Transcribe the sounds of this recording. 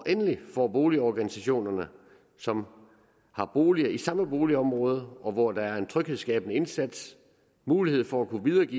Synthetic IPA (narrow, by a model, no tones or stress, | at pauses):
ɒʔenəlifɒ̰ːb̥o̝ːliɒɡ̥ænisæɕo̝̰ːnɐnə | sɒ̽m | hɑ̈b̥o̝ːliɐisɑ̈məb̥o̝ːliɒ̽mʁɔ̽ːð̞ˠɒ̽ʋɒd̥ɑ̈æɐe̝nt͡sʰʁœɡ̥heðˠsɡ̥ɛ̰ːb̥ənəe̝nsæd̥s | muːlihe̝ð̞̰ˠfɒ̽ækʰuʋið̞ˠɐːɡḭː